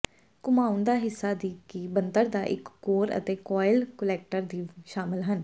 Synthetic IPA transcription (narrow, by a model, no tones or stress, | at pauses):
kʊmaːʊnd̪aːɦɪsːaːd̪iːkiːbənd̪əɾd̪aːʔɪkːoːɾə̰t̪eːkɔːɪlkəlɛːk̚ʈəɾd̪iːʃaːmɪlɦən